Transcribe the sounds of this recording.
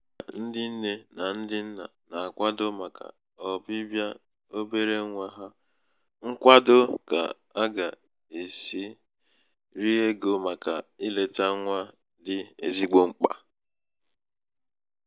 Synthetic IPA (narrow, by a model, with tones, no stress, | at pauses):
n̩˦dɪ˦n̩˦ne˦na˨n̩˦dɪ˦n̩˦na̰˨na˨a˨kʷa˦dʊ˦ma˨ka̰˨ | ɔ˨bɪ˦bja˦ | o˦be˦ɾe˦ŋʷa˦ɦa˦ | ŋ̩˦kʷa˦dʊ˦ka̰˨ | a˦ɡa˨ | e˨si˦ | ɾi˦e˦ɡo˦ma˨ka˨i˦le˨ta˦ŋʷa˦ | dɪ˦ḛ˦zi˦ɡ͡bo˦ŋ͡m̩˦k͡pa̰˨